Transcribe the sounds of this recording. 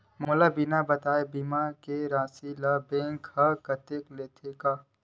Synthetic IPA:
moːlabinabɐt̪aːebiːmakeɾãːsilabẽːŋkhɐkɐt̪ekleːt̪ʰekaː

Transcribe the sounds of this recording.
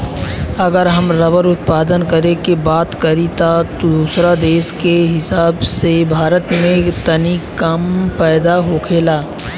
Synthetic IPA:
ɐɡəɾɦɐmɾəʋəɾʊt̪̚paːd̪ənkəɾekebaːt̪kəɾit̪at̪od̪uːsɾad̪eːʃkeɦɪsaːbsebʱaːɾət̪mẽt̪ənikəmpɛːd̪aɦokʰeːlaː

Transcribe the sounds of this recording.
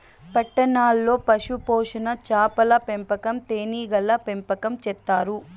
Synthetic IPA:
pɐʈːɐnaːlːo̞ːpɐʂupoːʂɐnɐt͡ʃaːpɐlɐpempɐkɐmt̪eːniːɡɐlːɐpempɐkɐmt͡ʃɛt̪ːaːɾu

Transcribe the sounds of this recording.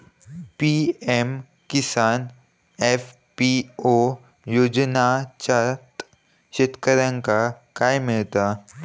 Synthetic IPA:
piːem | kɪsaːn | ef | pio | joːd͡ʒnaːt͡ʃat̪ | ʃet̪kəɾənkakaːjmːɪɭt̪aː

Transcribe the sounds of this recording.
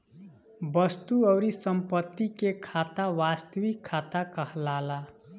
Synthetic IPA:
bʌst̪uʌwɾisʌmpʌt̪ːikekʰat̪awast̪wikʰat̪akʌɦlala

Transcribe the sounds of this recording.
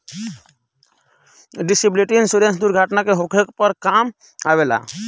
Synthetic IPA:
ɖisibliʈiinsuɾẽnsd̪uɾɡʱaʈnakeɦokʰekpəɾkam | aʋela̰

